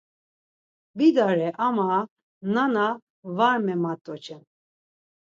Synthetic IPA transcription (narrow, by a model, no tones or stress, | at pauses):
bid̪aɾɛʔama | nana | vaɾmɛmat̪ʼːɔt͡ʃʰʼɛn